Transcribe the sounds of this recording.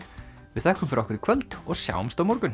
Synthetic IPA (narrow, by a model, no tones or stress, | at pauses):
vɪðθɛhkʏmfɪɾɔhkʏɾɪkʰvœlt̪ɔɣsja̰ːwmst̪awmɔɾkʏn